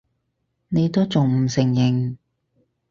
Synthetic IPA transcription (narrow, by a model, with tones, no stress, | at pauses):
ne˨˧t̪o˥t͡sʊ˨ŋm̩˨˩sɪ˨˩ŋjɪ˨˩ŋ